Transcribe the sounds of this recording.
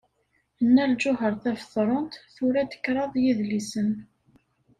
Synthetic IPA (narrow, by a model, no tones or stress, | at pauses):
ənːæld͡ʒʊɦəɾˤθæfəθɾˤont̪θʊɾæd̪ə̥kːɾˤɑðˤjiðlisən